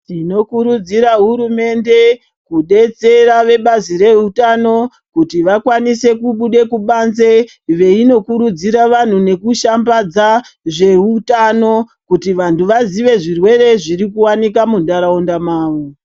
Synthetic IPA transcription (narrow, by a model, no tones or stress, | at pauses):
tino̞kuɾud͡ziɾaɦuɾume̞nde̞ | kuɗe̞t͡se̞raʋe̞ɓazire̞utano̞ | kutiʋakwanise̞kuɓuɗe̞kuɓanze | ʋe̞ino̞kuɾud͡ziɾaʋan̤une̞kuʃambad͡zaʐe̞utano̞ | kutiʋantuʋaziʋe̞ʐirwe̞re̞ʐiɾikuwanik̬amundaɾaondamaːʋo